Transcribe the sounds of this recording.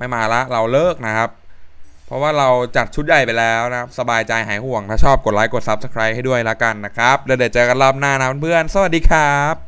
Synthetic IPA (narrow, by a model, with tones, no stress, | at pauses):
pa˧jmaː˧la˦˥ʔɾa˧wlɤː˥˩k̚na˦˥kʰa˦˥p̚ʰ | ɾɔ˦˥waː˥˩ɾa˧wt͡ɕa˨˩t̪̚t͡ɕʰu˦˥t̪̚ja˨˩jpa˧jlɛː˦˥wna˦˥kʰa˦˥p̚sa˧baː˧jt͡ɕa˧jha̰ː˩˦jhu˨˩əŋt̪ʰaː˥˩t͡ɕʰɔː˥˩p̚ko˨˩t̪̚laː˨˦˥jko˨˩t̪̚sa˦˥p̚sə̥˧kʰɾaː˦˥p̚ha˥˩jdu˥˩əjlɛ˦˥ka˧nːa˦˥kʰɾa˦˥p̚lɛː˧˩dɯː˨˩t̚t͡ɕaɤ˨˧ka˧nlaː˥˩p̚naː˥˩na˦˥pʰa˧npʰɯ˥˩ənsa˧wa˨˩t̚diː˧kʰɾaː˦˥p̚